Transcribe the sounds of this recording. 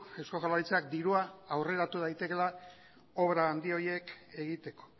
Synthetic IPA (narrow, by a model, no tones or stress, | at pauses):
e̞wskoʝalaɾit͡sakd̪iɾuaawre̞ɾat̪uð̞ajt̪e̞ke̞la | o̞βɾaːnd̪io̞ɾje̞ke̞ɣ̞it̪e̞ko̞̥